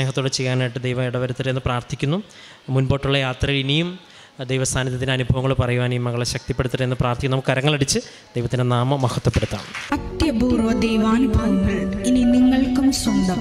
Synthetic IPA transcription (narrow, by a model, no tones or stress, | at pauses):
ehɐt̪ːoɽet͡ɕejːaːnaːjiʈːɨd̪ejʋɐmiɽɐʋɐɾut̪ːɐɾenːɨpraːrt̪ʰikʲːunːu | munbo̞ːʈːuɭːɐjaːt̪rɐjiɭinijum | d̪ejʋɐst̪ʰaːnɐðjɐt̪ːindeɐnubʱɐʋɐŋːɐɭupɐrɐjuʋaːnejumːɐɣɐɭeɕɐk̚t̪ipːe̞ɽut̪ːɐrenːɨpraːrt̪ʰikʲːnɐmukːɨɐɾɐŋːɐɭɐɽit͡ɕːɨ | d̪̥ejʋɐt̪ːindenaːmɐmɐhɐt̪ːɐpːeɽut̪ːa̰ːɳɨɐt̪jɐbuːrɐd̪ejʋaːnbʱɐŋːɐɭininiŋːɐɭkumswɐnd̪ɐm